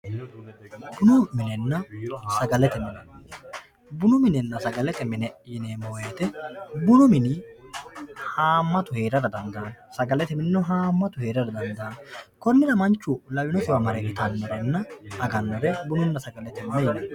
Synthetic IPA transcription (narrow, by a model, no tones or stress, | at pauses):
bʊnɔmɪnɛnːɐsɐɡɐlɛt̪ɛmɛlɐn | bʊnʊmɪnɛnːɐsɐɡɐlɛt̪ɛmɪnɛjɪneːmojeːt̪ɛbʊnʊmɪnɪ | haːmːɐt̪ʊheːɾɐɾɐd̪ɐnd̪aːnsɐɡɐlɛt̪ɛmɪnnːʊɦaːmːɐt̪ʊheːɾɐɾɐd̪ɐnd̪aːnkɔnːɪlɐmɐnt͡ʃːʊlɐwɪnɔsɪwɐmɐɾɛɡɪt̪ɐnːɔɾɛnːɐɐɡɐnːɔɾɛbʊnʊnːɐsɐɡɐlɛt̪ɛmnɛjɪnɐ